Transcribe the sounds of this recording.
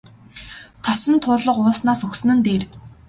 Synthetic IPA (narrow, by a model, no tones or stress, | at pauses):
t̪ʰɔsɞ̆nt̪ʰʊːɮɞ̆qʊːsnaːsɵxsɘ̆nɘ̆nt̪eːr